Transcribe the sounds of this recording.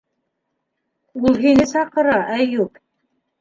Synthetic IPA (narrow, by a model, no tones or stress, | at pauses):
ulˠɦinɘsɑqɤ̆ɾɑʔæjup